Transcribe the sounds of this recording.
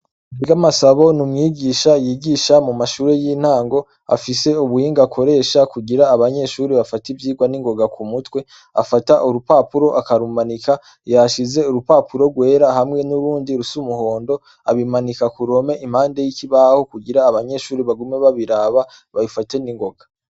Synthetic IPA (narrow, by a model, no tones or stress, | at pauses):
ɡamasaβo̞numŋiːɡiʃajiɡiʃamumaʃuːɾejin̥haːŋɡo̞ | a̰fise̞uβuhiːŋɡakʰo̞ɾe̞ːʃakuɡiɾaːβaɲe̞ʃuːɾiβafativjiːɡwaniŋɡo̞ɡakumutwe̞ | a̰fataʔuɾupaːpuɾo̞ʔakaɾuːmanika | jaʃize̞uɾupaːpuɾo̞ɾɡwe̞ːɾahamŋe̞nuɾuːndiɾusumuho̞ːndo̞ | aβimanikakuɾo̞me̞ʔim̥haːnde̞jikiβaho̞kuɡiɾaːβaɲe̞ʃuːɾiβaɡumeβaβiɾaβa | βajufate̞niŋɡo̞ɡa